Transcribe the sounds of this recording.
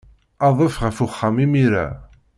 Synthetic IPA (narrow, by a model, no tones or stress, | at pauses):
ɑðˤəfʁəfʊχːamimiɾa̰